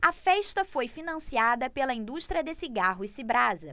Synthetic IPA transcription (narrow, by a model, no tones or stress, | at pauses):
ɐfɛʃt̪ɐfojfinɐ̃siad̪ɐpelɐĩnd̪uʃt̪ɾiɐd̪esiɡaɦʊɪsibɾazɐ